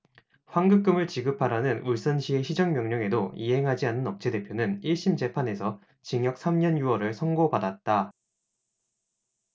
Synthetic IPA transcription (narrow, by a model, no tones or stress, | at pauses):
ɸwaŋɡɯk̚k͈ɯmɯɭt͡ɕiɡɯpʰaɾanɯnuɭs͈ʌnɕʰie̞ɕʰid͡ʑʌŋmjʌŋɲʌŋe̞doiɦe̞ŋɦad͡ʑianːɯnʌp̚t͡ɕʰede̞pʰjonɯniɭɕ͈imd͡ʑe̞pʰane̞sʰʌ | t͡ɕiŋjʌk̚s͈ʰamɲʌnjuʌɾɯɭsʰʌŋɡobadat̚t͈a